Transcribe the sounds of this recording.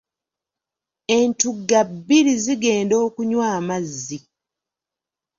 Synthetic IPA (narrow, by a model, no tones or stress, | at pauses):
e̞ntuɡːabːiɾiziɡe̞ːndo̞ːkuɲwaːmazːi